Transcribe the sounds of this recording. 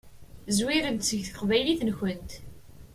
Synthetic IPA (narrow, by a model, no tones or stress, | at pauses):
zwiɾənt̪səʝθəqvæjliθənçənt̪